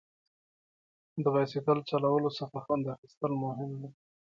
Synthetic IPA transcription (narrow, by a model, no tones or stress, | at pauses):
d̪əɣɑsɪkəlt͡ʃalawəlosafaxand̪axist̪əlmʊɦɪmd̪e